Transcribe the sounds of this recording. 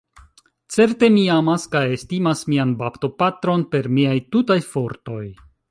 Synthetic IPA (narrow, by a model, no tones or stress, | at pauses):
t͡se̞ɾte̞miamaskajestimasmianbapto̞patɾo̞npe̞ɾmiajtutajfo̞ɾto̞j